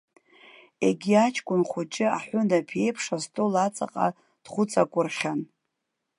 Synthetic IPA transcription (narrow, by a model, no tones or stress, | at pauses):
eɡʲiat͡ʃʰkʷʼʊnχʷʊt͡ʃʼɪa̰ħʷʊndapʰe̞jpʰʂastʼolat͡sʼa̰qʼa̰ | d̥χʷʊt͡sʼakʷʼʊrχʲan